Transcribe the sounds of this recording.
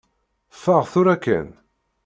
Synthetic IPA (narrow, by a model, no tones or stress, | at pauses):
fəʁθʊɾækːæ̰n